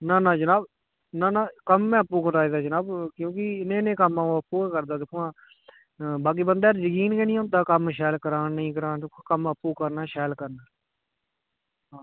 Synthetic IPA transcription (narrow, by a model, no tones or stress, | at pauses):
naːnãːd͡ʒənaːb | nãːnãːkəmːɛ̃ːəpːuːkət̪aːiːd̪aːd͡ʒənaːbkjõːkɪɪnẽːnẽːkəmãːəpːuːkəɾd̪aːd̪ɪkʰːãː | baːk̬iːbənd̪eːɾd͡ʒəkiːnkeːnĩːoːt̪aːkəmʃɛːlkəɾaːnnəĩːkəɾaːnːkːkəməpːuːkəɾnaːʃɛːlkəɾnaː | ɦãː